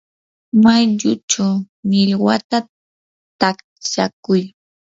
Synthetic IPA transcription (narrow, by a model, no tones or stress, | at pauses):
majʎʊt͡ʃaw | nɪʎwat̪a | t̪ak | t͡ʃakʊj